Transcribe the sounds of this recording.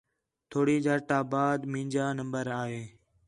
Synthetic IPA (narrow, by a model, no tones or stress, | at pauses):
t̪ʰoːɽiːd͡ʒaːɾʈaːbaːd̪mĩːɲd͡ʒaːnəmbəɾaːɦeː